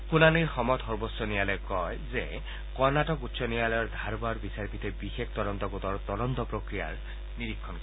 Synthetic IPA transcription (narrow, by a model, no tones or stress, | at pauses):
kunaniɹxɔmɔt̪ɦɔɹbɔsːɔnialɔjkɔjze | kɔɹnaʈɔkut̪ːsɔnijalɔjɔɹd̪ʱaɾbaɹbisaɾpit̪ʰebixekʰt̪ɔd̪ɔnt̪ɔɡut̪ɔɹt̪ɔd̪ɔnt̪ɔpɾokɾija̰ɹ | niɾikʰːɔnk